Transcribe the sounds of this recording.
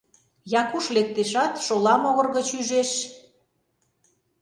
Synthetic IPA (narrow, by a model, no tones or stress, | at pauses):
jɑkuʃlek̚t̪eʃɑt̪ʃolɑmoɣɤ̆rɣət͡ɕyʒeʃ